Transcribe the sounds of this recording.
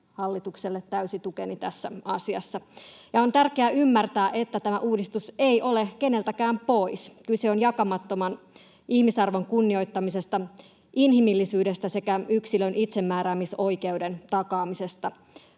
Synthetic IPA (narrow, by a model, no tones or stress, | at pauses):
hɑlːit̪ukselːet̪ːæysit̪ukenit̪æsːæ̰ɑsiɑ̰sːɑjɑont̪ærkeæʔymːært̪æːʔet̪ːæt̪æmæʔuːdist̪useiʔolekene̞lt̪ækæːmpoiskylseonjɑkɑmɑt̪ːomɑn | ʔihmisɑrʋoŋkunːio̞jt̪ːɑmisest̪ɑ | ʔinɦimilːisyːdest̪æse̞kæyksilønʔit̪semːæːɾæːmisoike̞udent̪ɑkɑːmisest̪ɑ